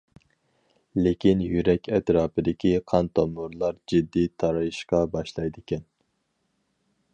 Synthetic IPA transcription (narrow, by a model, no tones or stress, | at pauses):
lekʲʰinjyɾɛkʲɛt̪ʰɾɑːpɨd̪ɪkʲʰiqʰɑnt̪ʰɑmuɾlˠɑɾd͡ʒɪd̪ːit̪ʰɑɾɑjiʃqɑbɑʃlˠɑjd̪ɪkʲɛn